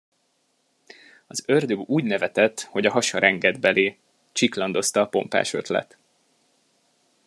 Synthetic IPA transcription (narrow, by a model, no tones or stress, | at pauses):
ɒzørd̪øɡuːɟnɛvɛt̪ɛt̪ːho̞ɟɒɦɒʃɒɾʔɛŋɡɛd̪bɛleː | t͡ʃiklɒnd̪o̞st̪ɒːpo̞̰mpa̰ːʃø̞̰t̪lɛ̰t̪